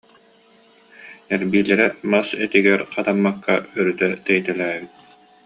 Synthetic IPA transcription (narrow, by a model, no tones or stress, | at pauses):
ɛɾbiːlɛɾɛmasɛt̪iɡɛɾqat̪amːakːaœɾyt̪ɛt̪ɛjt̪ɛlæːbit̪̚